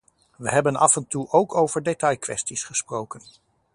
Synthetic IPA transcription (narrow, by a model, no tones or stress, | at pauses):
ʋəɦɛbənɑ̰fɛntuʔowkʰowvəɹdetɑjkʋɛ̰stisχəsprowkən